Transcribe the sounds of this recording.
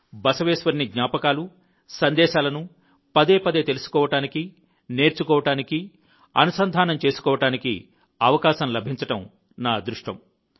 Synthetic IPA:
bɐsɐʋɛːʃʋɐɾniɡɲaːpɐkaːlu | sɐnd̪ɛːʃaːlɐnu | pɐd̪eːpɐd̪et̪e̞lusu̥kɔːʋɐʈaːniki | ne̞ːɾt͡ʃukɔːʋɐʈaːniki | ɐ̰nusɐnd̪ʱaːnɐmt͡ʃe̞ːsu̥kɔːʋɐʈaːnikḭ | ɐʋɐkaːʃɐmlɐbʱiɲt͡ʃɐʈɐm | naːd̪ɾuʂʈɐ̰m

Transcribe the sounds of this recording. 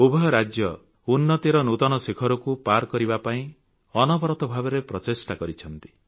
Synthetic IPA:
ubʱɔjɔɾad͡ʒjɔ | unːɔt̪iɾɔnut̪ɔnɔsekʰɔɾɔkupaɾkɔɾibapaĩ | ɔnɔbɔɾɔt̪ɔbʱabɔɾepɾɔtesʈakɔɾit͡ʃʰɔnt̪i̥

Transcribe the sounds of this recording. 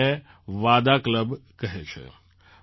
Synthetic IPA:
e | ʋaːd̪akləbkəɦet͡ʃʰḛ

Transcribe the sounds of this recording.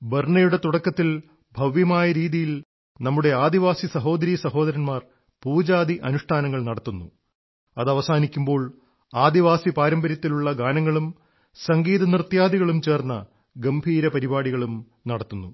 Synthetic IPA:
berɳɐjuɽe̞t̪uɽɐkːɐt̪ːil | bʱɐʋjɐmaːjɐɾiːðijil | nɐmːuɽe̞aːd̪iʋaːsisɐɦo̞ːd̪ɐɾiːɐsɐɦo̞ːd̪ɐɾɐnmaːr | puːd͡ʑaːd̪iʔɐnuʂʈʰaːnɐŋːɐɭnɐɽɐt̪ːunːu | ɐðɐʋɐsaːnikʲːumbo̞ːɭ | aːd̪iʋaːsipaːɾɐmbɐɾɐt̪ːiluɭːɐɡaːnɐŋːɐɭum | sɐŋɡiːðɐnirt̪jaːd̪iɣɐɭumt͡ɕe̞ːrnːɐ | ɡɐmbʱiːɾɐpɐɾibaːɽiɣɐɭum | nɐɽɐt̪ːunːu

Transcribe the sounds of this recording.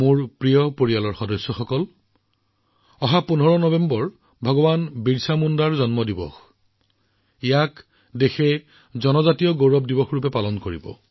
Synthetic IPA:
muɹpɹijɔpoɹijalɔɹxɔdɔsːɔxɔkɔl | ɔɦapunɔɹɔnɔbembɔɹ | bʱɔɡɔbanbiɹsamundaɹzɔnmɔdibɔ̰x | ijak | dexɛ | zɔnɔzatijɔɡowɹɔp̚dibɔxɹupɛpalɔnkoɹibɔ̰

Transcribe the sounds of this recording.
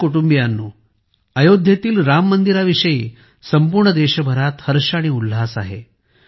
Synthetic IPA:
kuʈumbijanːu | əjod̪ʱjet̪iːlɾamːənd̪iɾaʋiɕəjiː | səmpuɾɳəd̪eɕəbʱəɾat̪həɾɕaɽ̃iul̤asaɦḛ

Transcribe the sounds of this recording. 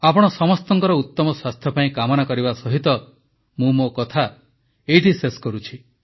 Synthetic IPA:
apɔɽ̃ɔsɔmɔst̪ɔŋkɔɾɔut̪ːɔmɔswast̪ʰjɔpaĩkamɔnakɔɾibasɔɦit̪ɔ | mũmokɔt̪ʰa | eiʈiseskɔɾut͡ʃʰi

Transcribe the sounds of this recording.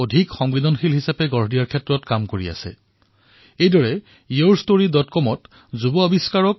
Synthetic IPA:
odʱikxɔŋbidɔnxilɦisapɛɡɔɹɦdijaɹkʰɛtɹɔtkamkoɹia̰sɛ̰ | ejdɔɹɛ | ioɹstoɹidɔtkɔmɔt | zubɔabiskaɹɔk̚

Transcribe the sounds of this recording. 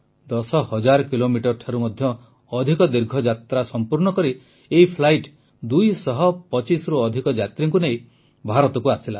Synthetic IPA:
d̪ɔsɔhɔd͡ʒaɾɔkilomiʈɔɾʈʰaɾumɔd̪ʱjɔː | d̪ʱikɔd̪iɾɡʱɔd͡ʒat̪ɾasɔmpuɾnɔkɔɾi | eipʰlajʈ | d̪ujsɔɦɔpɔt͡ʃisɔɾuɔd̪ʱikɔd͡ʒat̪ɾiŋk̬unej | bʱaɾɔt̪ɔkuasila

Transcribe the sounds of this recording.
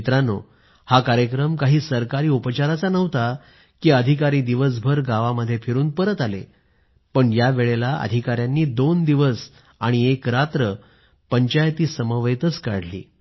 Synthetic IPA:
t̪ɾano̰ | hakaɾjəkɾəmkaɦiːsəɾkaɾiːupət͡ɕaɾat͡sanəʋ̤t̪a | kiːəd̪ʱikaɾiːd̪iʋəs̬bʱəɾɡaʋaməd̪ʱːjefʰeɾuːnpəɾət̪alḛ | pəɳjaʋeɭelaə̰d̪ʱikaɾjanːiːd̪ond̪iʋəs | aɽ̃iekɾat̪ɾə | pəɲt͡ɕajt̪iːsəməʋəjt̪ət͡skaɽ̤lḭː

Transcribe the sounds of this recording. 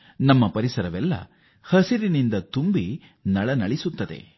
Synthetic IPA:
nɐmːɐpɐɾisɐɾɐʋɛlːɐ̰ | hɐsiɾinind̪ɐt̪umbi | nɐɭɐnɐɭisut̪ːɐd̪ḛ

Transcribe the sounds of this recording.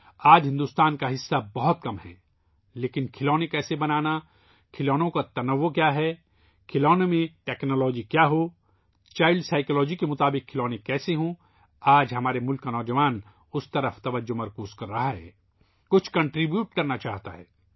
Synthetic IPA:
aːd͡ʒɦɪ̃nd̪uːst̪aːnkaɦɪsːabɐɦʊt̪kɐmɦɛ̰ː | leːkɪnkʰɪlɔːnekɛːsebɐnaːna | kʰɪlɔːnõkat̪ɐnɐʋːokjaːɦɛ | kʰɪlɔːnemẽʈɛːknɔːlɔːd͡ʒikjaːɦo | t͡ʃaːɪlɖsaːɪkːlɔːd͡ʒikemʊt̪aːbɪkʰːɪlɔːnekːɛːseɦõ | aːd͡ʒɦɐmaːɾemʊlkːanɔːd͡ʒɐʋaːn | ʊst̪ɐɾəft̪ɐʋəd͡ʒːomɐɾkuːzkɐɾːɐɦaɦɛ̰ː | kʊt͡ʃʰkɐ̃ɳʈɾibjuːʈkɐɾnat͡ʃaːɦt̪aɦɛ̰ː

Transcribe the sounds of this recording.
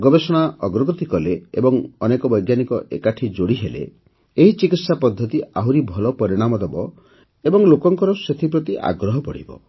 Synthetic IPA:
ɡɔbesɔɽ̃aɔɡɾɔɡɔt̪ikɔleebɔŋɔnekɔbɔjɡjanikɔʔḛkaʈʰid͡ʒoɽiɦelḛ | eɦit͡ʃikit̪sapɔd̪ʱːɔt̪iaɦuɾibʱɔlɔpɔɾiɽ̃amɔd̪ebɔ | ebɔŋlokɔŋkɔɾɔset̪ʰipɾɔt̪iʔa̰ɡɾɔɦɔpɔɽ̤ḭbɔ̰

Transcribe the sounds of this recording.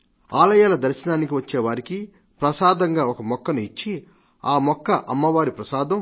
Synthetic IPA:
aːlɐjaːlɐd̪ɐɾʃɐnaːnik̬iʋɐt͡ʃːeːʋaːɾiki | pɾɐsaːd̪ɐŋɡaːɔkɐmɔkːɐnuit͡ʃːi | aːmɔkːɐʔɐ̰mːɐʋaːɾipɾɐsaːd̪ɐm

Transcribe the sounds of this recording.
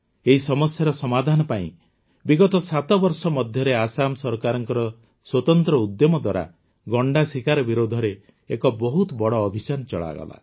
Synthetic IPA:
eɦisɔmɔsjaɾɔsɔmad̪ʱanɔpaḭ̃ | biɡɔt̪ɔsat̪ɔbɔɾsɔmɔd̪ʱjɔɾeasamsɔɾkaɾɔŋkɔɾɔ | swɔt̪ɔnt̪ɾɔud̪jɔmɔd̪waɾa̰ | ɡɔɳɖasikaɾɔbiɾod̪ʱɔɾe | ekɔbɔɦut̪ɔbɔɽɔːbʱit͡ʃanɔt͡ʃɔɭa̰ɡɔ̰la̰

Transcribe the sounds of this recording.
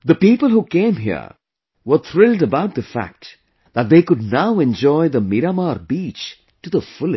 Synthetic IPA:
ðəpiːpəlˠɦukẽɪ̃mɦḭɹ | wə˞t̪ʰɾɪlˠdəbaʊt̪̚d̪əfæ̰k̚t | ðət̚ðeɪkʊdⁿnaʊɛ̃nd͡ʒɔɪðəmiɾamaɾbit͡ʃ | tuðəfʊlɨ

